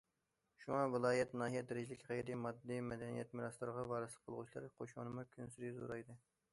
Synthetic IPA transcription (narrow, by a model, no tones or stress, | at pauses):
ʃuŋɑvɨlˠɑːjɛt̪nɑːɦijɛd̪ɪɾɪd͡ʒilɪkʲʁɑjiɾimɑd̪ːimɛd̪ɛnijɛt̪miɾɑst̪ɨɾʁɑvɑːɾɨslˠə̥qʰːəlˠʁut͡ʃʰilˠɑ̰ɾqʰoʃmṵnɨmukʲʰynsyɾizo̰ɾɑjd̪ɨ